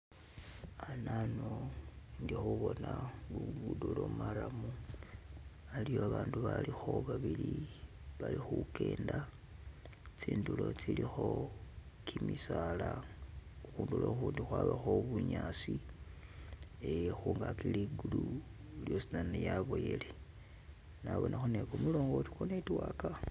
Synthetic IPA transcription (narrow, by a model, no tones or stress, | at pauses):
ananoŋɡixuβo̞nauβudulomaɾamu | alijoaβaːnduβalixo̞βaβili | βalixukʰe̞ːnda | t͡siːndulo̞t͡silixo̞ | kʰimisala | uxuːnduloxuːndixwaːβaxo̞βuɲaːsi | exuːŋɡakiliɡulu | ljosinanejaβoje̞le | naβo̞nʔaxonekomulo̞ːŋɡo̞ti̥konetwaka